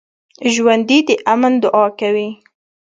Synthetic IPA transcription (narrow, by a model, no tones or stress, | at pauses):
ʒwand̪id̪əʔamənd̪ʊʔɑkawi